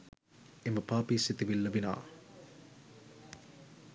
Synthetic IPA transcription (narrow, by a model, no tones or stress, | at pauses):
eməpaːpiːsit̪iʋilːɐbina̰ː